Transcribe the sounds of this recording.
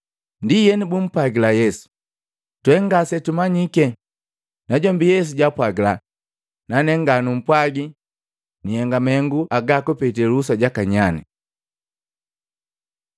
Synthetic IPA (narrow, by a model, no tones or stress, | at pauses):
ndijɛnibum̩pwaɡilajɛsu̥ | twɛŋɡasɛtumaɲikɛ | naɟɔmbijɛs̬uɟapwaɡila | nanɛŋɡanum̩pwaɡi | nihɛŋɡamɛŋɡuʔaɡakupɛtɛlusaɟakaɲani